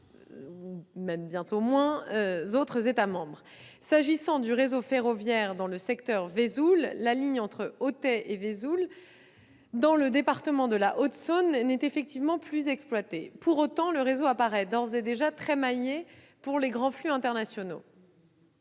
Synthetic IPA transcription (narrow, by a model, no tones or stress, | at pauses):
umɛmbjɛ̃t̪omwɛ̃øzot̪χəzet̪amɑ̃bʁ | saʒisɑ̃d̪yʁezofeʁɔvjɛʁd̪ɑ̃ləsɛkt̪œʁvezulːaliɲɑ̃t̪χəot̪ɛʔevezul | d̪ɑ̃ləd̪epaʁt̪əmɑ̃d̪əlaʔot̪sonːɛt̪efɛk̚t̪ivmɑ̃plyzɛksplwat̪epuʁot̪ɑ̃ləʁezoapaʁɛd̪ɔʁzɛd̪eʒat̪χɛmaje | puʁleɡʁɑ̃flyɛ̃t̪ɛʁnasjɔno̰